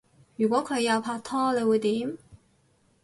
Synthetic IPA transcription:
jyː˨˩kwɔː˨˥kʰɵ˨˧ɥjɐ˧pʰaː˧t̪ʰɔː˥lə˨˧wɪ˨˧t̪i˨˥˦m

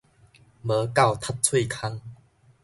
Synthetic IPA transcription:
mə˨˦ka˥˨wt̪ʰa˦˥t̚t͡sʰwe˥˨kʰa˦ŋ

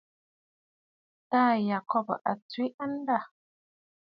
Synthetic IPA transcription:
taː˦˨ja˨kɔ˦˨bʔa̰˨t͡si˦ʔa˦n̩˦da˦˨

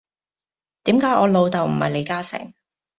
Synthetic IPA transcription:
t̪iː˨˥mkaː˨˥jʔɔː˨˧lo˨˧wt̪ɐ˨wm̩˨˩hɐ̰˨jle˨˧jkaː˥sɪ̰˨˩ŋ

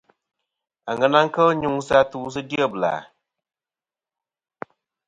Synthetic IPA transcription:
a˨ŋə˨˦na˦ŋ̩˦kə˦ɲu˦ŋ˦sa˦tuː˦s̬ɨ˦di˦ə˦˨bla̰ː˨

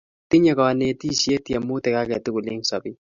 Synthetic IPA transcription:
t̪ɪ˦ɲɛ˦kɔ˨a˨ne˨t̪i˦˨sje˦t̪jɛ˨mʊ˦t̪ɛ˨ka˦kɛ˨t̪ʊ˦kʊ˨lɪ˦ŋsɔ˨bɪ˦

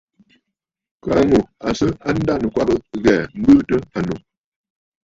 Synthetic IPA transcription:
ka˨ŋu˨a˨sə˦a˦n̩˦da˦nə˨kwa˦bə˦ɣɛ˨m̩˦bɨ˦tə˦a˨no˨

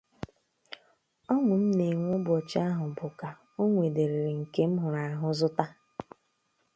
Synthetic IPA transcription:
ɔ˦ŋʊ˨m̩˦ne˨ŋʷʊ˦bʊ˨ɔ˨t͡ʃa˦ɦʊ˨bʊ˨ka˨ | o˦ŋʷe˨de˨ɾe˨ɾe˨ŋ̩˨ke˦m̩˦ɦʊ˨ɾa˨ɦʊ˦zʊ˦ta˦

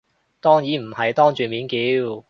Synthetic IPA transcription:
t̪ɔː˥ŋjiː˨˥m̩˨˩hɐ˨jt̪ɔː˥ŋt͡ʃyː˨˩nmiː˨˥nkiː˨˥w

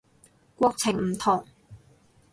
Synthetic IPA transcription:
kʷɔː˧k̚t͡sʰɪ˨˩ŋm̩˨˩t̪ʰʊ˨˩ŋ

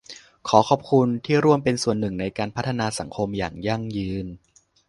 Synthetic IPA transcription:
kʰɔː˩˦kʰɔː˨˩p̚kʰu˧nt̪ʰiː˥˩ɾu˥˩əmpe˧nsu˨˩ənːɯ˨˩ŋna˧jkaː˧npʰa˦˥t̪ʰːa˧naː˧sa˩˦ŋkʰo˧mja̰ː˨˩ŋja˥˩ŋjɯː˧n

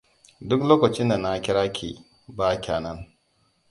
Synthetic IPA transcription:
dʊ˦kloː˦kɐ˨t͡ʃɪ˦nda˨na˦kʲɪ˦ɽaː˦kʲʰḭ˨ | baː˦kʲaː˨nɐ˦n

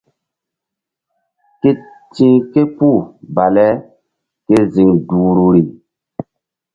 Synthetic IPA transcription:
ke˦ | tĩ˦ke˦pu˦˨ba˨lɛ˦ | ke˦zi˨ŋduː˨ɾu˨ɾi˨

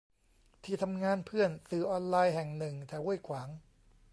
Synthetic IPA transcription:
t̪ʰiː˧˩t̪ʰa˧mŋaː˧npʰɯ˥˩ənsɯː˨˩˦ʔɔː˧nlaː˧jɦɛ˨˩ŋnɯ˨˩ŋt̪ʰɛː˨˩˦wu˥˩əjkʰwaː˩˦ŋ

